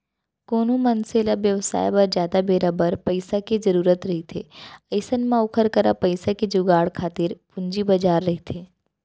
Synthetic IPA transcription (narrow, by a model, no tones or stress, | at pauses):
koːnũmɐnseːlabjəʋsa̰ːjbɐɾd͡ʒaːd̪abeːɾabəɾpɐɪsaked͡ʒɐɾuːɾət̪ɾɐɦit̪ʰeːɐɪsənmãʊkʰəɾkəɾa̰pɐɪsaked͡ʒʊɡaːɽkʰaːt̪ɪɾpʊ̃ɲd͡ʒibɐd͡ʒaːɾːɐɦit̪ʰeː